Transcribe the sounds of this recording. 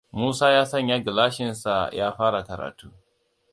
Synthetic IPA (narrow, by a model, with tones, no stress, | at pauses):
muː˦saː˦jaː˦sɐ˦˨ɲja˦ɡɪ˨laː˦ʃɪ˨nsa˨jaː˦ɸaː˦ɽa˨kɐ˨ɾa̰ː˨tuː˦